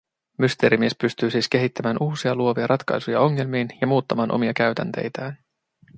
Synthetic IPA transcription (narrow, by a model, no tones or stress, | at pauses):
myst̪e̞ːɾimie̞spyst̪yːsiːsk̟e̞ɦit̪ːæmæːnʔuːsiɑluo̞ʋiɑɾʔɑt̪kɑ̰jsujɑo̞ŋːe̞lmiːnjɑmuːt̪ːɑmɑːnʔo̞̰miɑkæɥt̪æ̰nt̪e̞̰jt̪æːn